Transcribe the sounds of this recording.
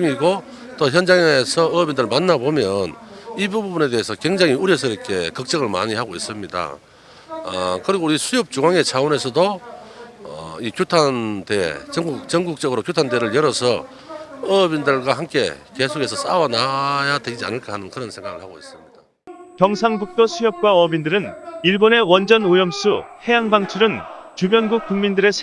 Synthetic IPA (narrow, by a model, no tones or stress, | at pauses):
ŋiɡo | t͈oçjʌnd͡ʑaŋesʰʌːbindɯɭmanːabomjʌnibububune̞de̞ɦesʰʌkwe̞ŋd͡ʑaŋiuɾies̬ʰʌiɾʌkʰe̞kʌk̚t͡ɕ͈ʌɡɯɭma̰ɲihaɡois͈ɯmɲida̰ | ʌ̰kɯɾiɡouɾisʰujop̚t͡ɕuŋwaŋe̞t͡ɕʰaone̞sʰʌdo | ʌ̰ikjutʰandḛt͡ɕʌŋɡuk̚t͡ɕʌŋɡuk̚t͡ɕ͈ʌɡɯɾokjutʰande̞ɾɯɭjʌɾʌsʰʌ | ʌbindɯɭɡwaɦamk͈e̞̰ke̞sʰokʰe̞sʰʌs͈awanajaded͡ʑia̰nɯɭk͈ʌɦanɯnkɯɾʌnsʰeŋɡaɣɯɭhaɡois͈ɯmɲida | kjʌŋsʰaŋbuk̚t͈osʰujʌp̚k͈waʌbindɯɾɯniɭbone̞wʌnd͡ʑʌnujʌms͈ʰuhe̞jaŋbaŋt͡ɕʰuɾɯnt͡ɕubjʌnɡuk̚k͈uŋmindɯɾe̞sʰ